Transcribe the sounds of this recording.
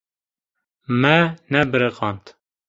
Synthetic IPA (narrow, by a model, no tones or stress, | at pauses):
mɛnɛbɨɾeqɑːnt̪